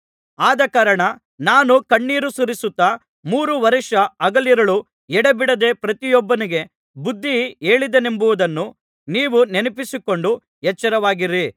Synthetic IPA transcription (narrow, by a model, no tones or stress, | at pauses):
aːd̪ɐkaːɾɐɳɐ | naːnukɐɳːiːɾusuɾisut̪ːɐ | muːɾuʋɐɾiʂɐɐɡɐliɾɐɭu | ɛɽebiɽɐd̪eːpɾɐt̪ijɔbːɐniɡe̞ | bud̪ːie̞ːɭid̪ene̞mbuʋud̪ɐnːu | niːʋunenɐpisiko̞ɳɖu | jɛt͡ʃːɐɾɐʋaːɡiɾi